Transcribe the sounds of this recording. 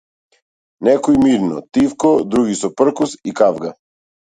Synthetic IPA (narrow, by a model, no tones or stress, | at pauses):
nɛkɔimiɾnɔ̰t̪ifkɔd̪ɾuɡisɔpr̩kusikavɡa